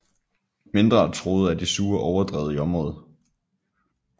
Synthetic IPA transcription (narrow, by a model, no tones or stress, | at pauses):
me̝nd̥ʁɐt͡sʰʁo̝ːð̞̩ˠæd̥isuːɐʔɒʊɐd̥ʁɛ̰ːð̞̩ˠiɒ̽mʁɔ̽ːð̞̩ˠ